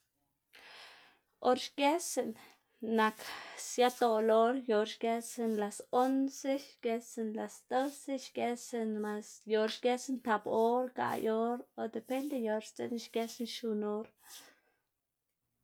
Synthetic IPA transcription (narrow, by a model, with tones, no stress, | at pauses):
o˦ɾʃɡe˦se˨nː | a˨ksja˦t̪o˧lo˦ɾjo˨ɾʃɡe˧se˧nla˨so˦nse˦ʃɡe˧se˧nla˨sd̪o˦se˦ʃɡe˧se˧nma˧sjo˨ɾʃɡe˦se˦nt̪a˨˧bo˦ɾka̰˨jo˧ɾo˧d̪e˨pe˦nd̪e˧jo˧ɾst͡sḛ˧nʃɡe˧se˦nʃu˧no˦ɾ